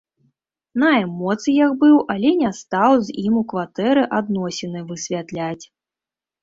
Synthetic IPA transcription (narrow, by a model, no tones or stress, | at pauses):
nɐɛmɔt̪sɨjakbɨwʔalʲɛnʲast̪awzʲimukvat̪ɛɾɨʔad̪nɔsʲɛnɨvɨsʲvʲat̪lʲat͡sʲ